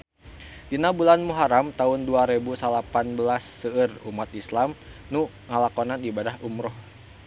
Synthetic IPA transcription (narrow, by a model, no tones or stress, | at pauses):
dinabulanmuɦaɾamt̪aʊnduaɾebusalapanbəlasːəərumat̪islamnu | ŋalakɔnanibadahumɾɔh